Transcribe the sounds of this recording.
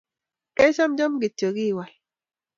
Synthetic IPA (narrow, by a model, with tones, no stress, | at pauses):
kɛ˦t͡ʃa˦md͡ʒɔ˦mɡɪ˨to˨ɡi˦˨wa˨l